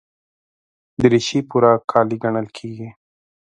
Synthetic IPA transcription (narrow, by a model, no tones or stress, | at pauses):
d̪əɾiʃipuɾakʰɑːliɡaɳəlkʰiːɡi